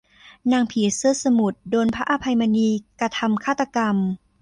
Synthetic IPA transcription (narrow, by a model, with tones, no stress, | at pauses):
naː˧ŋpʰiː˩˦sɯ˥˩əsa˧mu˨˩t̪̚doː˧npʰa˦˥ʔa˧pʰa˧jma˧niː˧kɾa˧t̪ʰa˧mkʰaː˥˩t̪ːa˧ka˧m